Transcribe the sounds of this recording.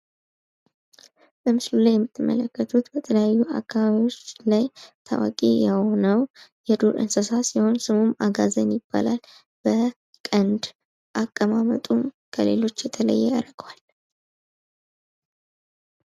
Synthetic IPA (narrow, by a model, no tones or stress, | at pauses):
bəmɨslulajːɛmːɨt̪ʰːɨmːʔə̰ləkːət̪ʰut̪bət̪ʰələjajːuʔa̰kʰːaβaβiwo̞t͡ʃːlajt̪ʰa̰wa̰kʼejɛho̞nəwjɛd̪oɾʔɨ̰nsəsasiho̞nsɨmumaɡazənjɪb̥ːa̰lal | b̥ə | kʼənd̪ | ʔakʼːəmamət̪ʼum | kʰəle̞̰lo̞t͡ʃːjɛt̪ʰələ̰jːɛaɾɡwal